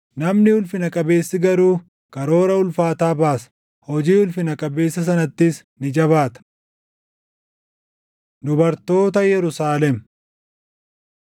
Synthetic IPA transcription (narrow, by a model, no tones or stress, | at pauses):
nɐmnɪʊlfɪnɐkʼɐbe̞ːsːɪɡɐɾuː | kɐɾo̞ːɾɐʊlfaːt̪aːbaːsɐ̥ | hɔd͡ʒiːʊlfɪnɐkʼɐbe̞ːsːɐs̬ɐnɐt̪ːɪs | nɪd͡ʒɐβaːt̪ɐ̥ | d̪ʊbɐɾt̪o̞ːt̪ɐjɛɾʊsaːlɛm